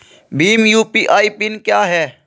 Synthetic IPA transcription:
biːmjuːpiːʔaːipɪnkjaːɦɛː

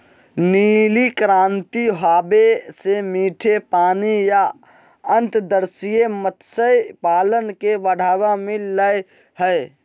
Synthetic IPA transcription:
niːlikɾaːnt̪iɦaːbesemiːʈʰepaːnija | ə̃nt̪d̪əɾsijemət̪səjpaːlənkeʋəɽ̤ʱaːwamilləj | ɦəj

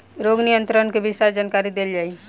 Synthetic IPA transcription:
ɾoːɡnijə̃nt̪ɾənkebɪsaɾd͡ʒaːnkaɾid̪eld͡ʒaːi

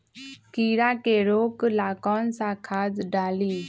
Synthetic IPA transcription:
kiːɾaːkeːɾoːklaːkɔːnsãːkʰaːd͡zɖaːliː

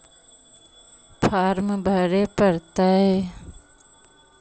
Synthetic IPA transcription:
pʰaːɾmbʱəɾepəɾt̪aɦe

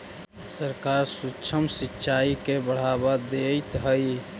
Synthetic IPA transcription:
səɾkaɾsutːt͡ʃʰəmsitːʃaikebəɽ̤abad̪ejt̪ɦəj

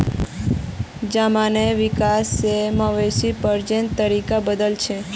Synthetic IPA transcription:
d͡ʒamaneʋikaseməʋesipəɾd͡ʒent̪əɾikabəd̪əlt͡ʃʰe

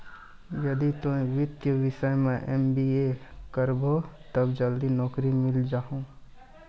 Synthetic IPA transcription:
jɐd̪it̪õʋɪt̪jəʋɪʃəjmẽʔɛmbiːekəɾbot̪ɐbd͡ʒɐld̪inɔːkɾimɪld͡ʒaːɦõː

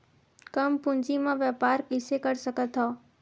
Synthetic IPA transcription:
kəmpʊ̃ɲd͡ʒimãʋjɛːpaːɾkɪsekəɾsəkət̪ɦɔː

